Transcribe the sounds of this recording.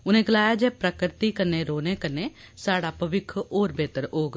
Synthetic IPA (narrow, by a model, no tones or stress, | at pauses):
ʊnẽːɡɪlaːjaːd͡ʒɛːpɾəkɾɪt̪iːkənːẽːɾoːneːkənːeː | saːɽaːpəʋɪkʰoːɾbeːt̪əɾoːɡ